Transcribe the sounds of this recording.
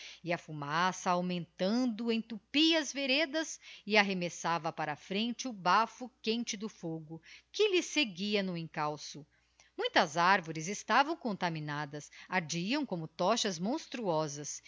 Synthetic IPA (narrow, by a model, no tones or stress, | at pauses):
ɪɐfumasɐawmẽnt̪ɐ̃d̪ʊẽj̃t̪upiɐzveɾed̪ɐsɪaɦemesavɐpaɾɐfɾẽnt͡ʃɪʊbafʊkẽnt͡ʃɪd̪ʊfoɡʊkɪlɪseɡiɐnʊẽŋkawsʊ | mũj̃t̪ɐzaɾvoɾɪzɪst̪avɐ̃w̃kõnt̪amĩnad̪ɐsaɾd͡ʒiɐ̃w̃kõmʊt̪ɔʃɐzmõst̪ɾuɔzɐs